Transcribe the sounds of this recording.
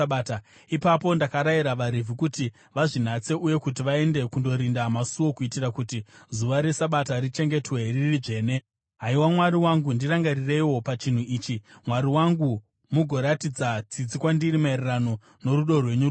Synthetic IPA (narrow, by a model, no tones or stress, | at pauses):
ɓaːta | ipapo̞ndakaɾaiɾaʋaɾivʱikuti | ʋaʐin̤at͡se̞uje̞kutiʋae̞nde̞kundo̞ɾindamasuwo̞kuitirakutizuʋaɾe̞saɓatarit͡ʃe̞ŋɡe̞twe̞riiriʐe̞ːne̞ | ɦaiwamwaɾiwaŋɡundiraŋɡarire̞iwo̞pat͡ʃin̤uiːt͡ʃimwaɾiwaŋɡu | muɡʱo̞ɾatid͡zat͡sid͡zikwandirimaererano̞ | no̞ɾuɗo̞rwe̞ɲu